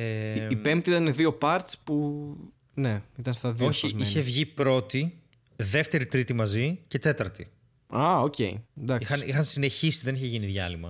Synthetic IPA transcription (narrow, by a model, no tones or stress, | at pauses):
eipe̞mt̪iit̪ɐneðio̞pɐɾt̪spu | ne̞it̪ɐnst̪ɐðoçiiçe̞vʝipɾo̞t̪i | ðe̞ft̪e̞ɾit̪ɾit̪imɐzice̞t̪e̞t̪ɐɾt̪ḭ | ɐoce̞̰ḭnd̪ɐkixɐnixɐnsine̞çisi̥ðe̞niçeʝiniðʝɐlimɐ̰